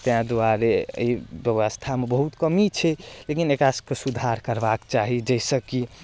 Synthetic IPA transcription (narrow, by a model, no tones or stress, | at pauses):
t̪eɦãd̪oaɾḛibjeʋəst̪ʰamebəɦut̪kəmit͡ʃʰɛlekinekɾasəkesud̪ʱaɾkəɾbakt͡ʃaɦid͡ʒəsəki